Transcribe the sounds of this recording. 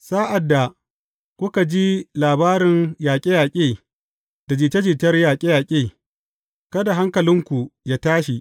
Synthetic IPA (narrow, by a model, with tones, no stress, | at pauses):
saː˦ʔa˨dːa˨ | kʷʊ˦ka˨d͡ʒi˦laː˨baː˦ɾɪ˨ŋjaː˨kʲʼe˦jaː˨kʲʼeː˦˨ | d̥a˨d͡ʒiː˨tɐ˦d͡ʒiː˨tɐ˦rjaː˨kʲʼe˦jaː˨kʲʼeː˦˨ | kɐ˦da˨ɦa˦ŋkɐ˨lɪ˦ŋkʷu˨jaː˦taː˦ʃi˨ʔ